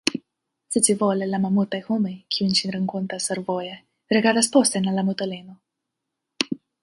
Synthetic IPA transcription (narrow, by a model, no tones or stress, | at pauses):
set͡sivolɛlamamut̪ajhumejkʰʲiunt͡ʃinɾəŋkɔnt̪asaɾvojɛ | ɾeɡad̪aspɔst̪enalamut̪alenɔ